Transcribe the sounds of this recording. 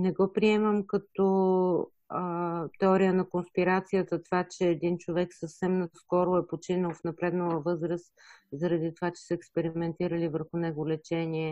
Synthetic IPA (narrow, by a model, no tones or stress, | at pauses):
nɛɡɔpɾiɛməmkɐt̪ɔ | t̪ɛɔɾijənɐkonspiɾat̪sijət̪ət̪ovat͡ʃɛːd̪int͡ʃovɛksəfsɛmnɐskɔɾʊɛpot͡ʃinəlˠfnɐpɾɛd̪nəlˠəvɤzɾəs | zɐɾɐd̪it̪ovat͡ʃɛ̥səɛkspɛɾimɛnt̪iɾəlivəɾxʊnɛɡʊlɛt͡ʃɛniɛ